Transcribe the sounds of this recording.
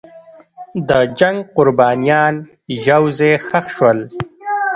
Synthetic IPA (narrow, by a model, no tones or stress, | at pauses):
d̪əd͡ʒaŋɡqʊɾbɑːnijɑːn | ʒawzexaxʃwəl